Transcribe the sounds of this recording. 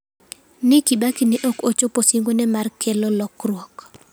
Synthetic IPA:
nɪkibakinɪʔokot͡ʃoposiŋɡonɛmarkʰelolɔkrwɔk

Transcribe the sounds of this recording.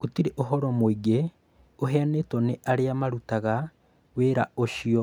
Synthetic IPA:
otiɾeʔoɦɔɾɔmwiɡe | oɦɛanetɔneʔaɾeamaɾutaɣa | weɾa̰oʃiɔ

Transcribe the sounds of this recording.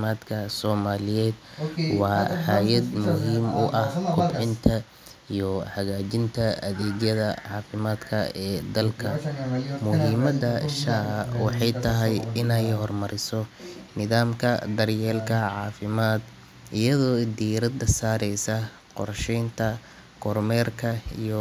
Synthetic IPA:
maːd̪kʰɐsɔːmaːlɪjɛːd̪̚wɑːħaːjɐd̪mʊɦiːmʊʔɐhkʰʊbʕɪnt̪ʰɐ | ijɔħɐɣaːt͡ʃɪnt̪ʰɐɐ̰ðɛːɣjɐðɐ̰ʕɑːfɪmaːd̪kʰɐɛːd̪ɐlkʰɐmʊɦiːmɐd̪ɐʃaːwɑħɑjt̪ʰɐɦɛjɪnɛjhɔrmɐɾɪsɔnɪðaːmkʰɐ̰d̪ɐrjɛːlkʰɐʕɑːfɪmaːd̪ | ʔɪjɐðɔːd̪iːɾɐd̪ɐsaːɾɛjsɐ | qɔ̰rʃɛjnt̪ʰɐ | kʰɔrmɛːrkʰɐijɔ

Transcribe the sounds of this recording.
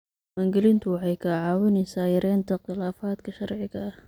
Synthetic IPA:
maːŋɡɛlɪnt̪ʰʊwɑħɑjkʰɐʕɑːwɪnɛsaːjɐɾɛːnt̪ʰɐqɪlaːfaːd̪kʰɐʃɐrʕɪɣɐɐh

